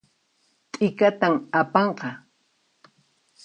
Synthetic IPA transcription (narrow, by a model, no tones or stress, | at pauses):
t̪ʼɪkat̪amapɑɴqɑ